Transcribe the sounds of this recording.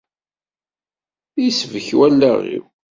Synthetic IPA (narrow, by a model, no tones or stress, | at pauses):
jsvəçwælːæʁḭw